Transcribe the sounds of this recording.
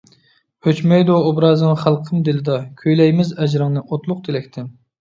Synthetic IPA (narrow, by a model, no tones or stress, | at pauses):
høt͡ʃmɛjd̪oːbɾɑːzɨχælˠqʰəmd̪ɪlɪd̪ɑkʲʰøjlɛjmɪzɛd͡ʒɾɨŋnɨʔot̪lˠʊq̚d̪elɛkʲt̪ʰɪm